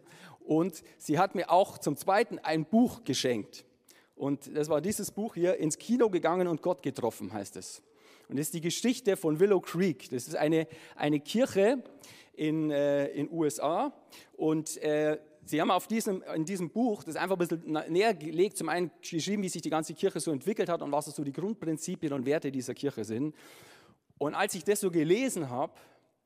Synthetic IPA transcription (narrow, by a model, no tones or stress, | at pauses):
ʔʊnt | z̥iːɦatmiːɐʔaʊxt͡sʊmt͡sv̥aɪtn̩ʔa̰ɪnb̥uːxɡ̥əʃɛŋk̚t | ʔʊntd̥asvaːɐdiːzəsb̥uːxhiːɐʔɪnskʰiːnoɡəɡaŋənʊnt̚ɡ̥ɔtɡ̥ətʁ̥ɔfn̩ɦaɪstɛ̰s | ʔʊntɪstd̥iːɡəʃɪçtəfɔnvɪlokʰʁ̥iːkd̥asɪstʔa̰ɪnəʔa̰ɪnəkʰɪɐçəʔɪnɛɪnʔuːɛsʔaː | ʔʊntʔɛː | z̥iːhaːmaʊfd̥iːzəmɪndiːzəmb̥uːxd̥asʔa̰ɪnfaχbɪsl̩neːɐɡəleːk̚tt͡sʊmʔaɪnənɡ̥əʃʁ̥iːbm̩viːzɪçd̥iːɡant͡səkʰɪɐçəzoːɛntv̥ɪkl̩thatʊ̰ntv̥asz̥oːdiːɡʁʊnt̚pʁ̥ɪnt͡siːpjənʊntv̥eːɐtədiːzɐkʰɪɐçəzɪnt | ʔʊntalsɪçd̥asz̥oːɡəleːzn̩ɦaːp